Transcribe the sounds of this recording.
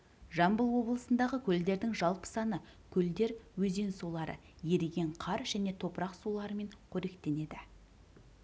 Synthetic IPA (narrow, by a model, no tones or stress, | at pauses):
ʒɑmbəlˠwo̞blˠəsənd̪ɑʁəkʲʰɵld̪e̞ɾd̪ɪŋʒɑlˠpə̥sɑnəkʲʰɵld̪e̞ɾwɵze̞nsulˠɑɾə̰ | je̞ɾeɡʲe̞ɴqʰɑɾʒ̥æne̞t̪ʰo̞pɾɑqsulˠɑɾəme̞ɴqʰɵɾe̞kt̪e̞ne̞d̪ɪ